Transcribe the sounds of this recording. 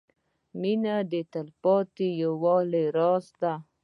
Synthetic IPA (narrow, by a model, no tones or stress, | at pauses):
minad̪et̪alpɔt̪ijawɔleɾɑsd̪a